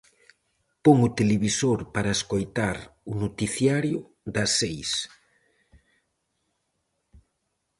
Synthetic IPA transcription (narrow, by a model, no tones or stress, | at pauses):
poŋʊt̪eleβisoɾpaɾɐeskojt̪aɾʊnot̪iθjaɾjʊ | d̪ɐsejs